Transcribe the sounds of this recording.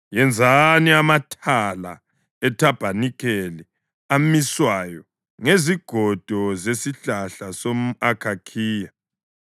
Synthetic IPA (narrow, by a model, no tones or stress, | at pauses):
jɛnd͡zʱaniamatʰala̰ | ɛtʰab̥ʱanikʰʼɛlɛ | amiswajɔ | ŋeziɡ̥ʱɔd̥ʱɔzesiɬaɬasomuakʰakʰiːja